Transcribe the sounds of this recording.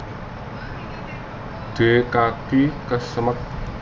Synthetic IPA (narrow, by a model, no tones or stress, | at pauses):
ɖ̪̥e̤kakikəsəmək̚